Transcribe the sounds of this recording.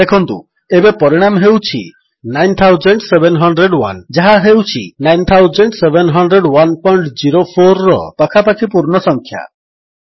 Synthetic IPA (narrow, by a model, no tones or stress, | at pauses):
d̪ekʰɔnt̪ṵ | ebepɔɾiɽ̃amɦewt͡ʃʰḭ | najnt̪ʰawd͡ʒeɳʈsebenɦɔɳɖɾeɖwa̰nd͡ʒaɦaɦewt͡ʃʰḭnajnt̪ʰawd͡ʒeɳʈsebenɦɔɳɖɾeɖwanpɔjɳʈd͡ʒiɾopʰoɾːɔ̰pakʰapakʰipuɾɳɔsɔŋkʰja̰